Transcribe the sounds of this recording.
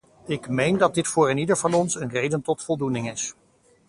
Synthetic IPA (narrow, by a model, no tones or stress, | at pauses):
ɪkmejndɑd̚dɪtfʊːɹɪnidəɹvɑnɔnsənrejdəntɔtfɔlˠdunɪŋɪs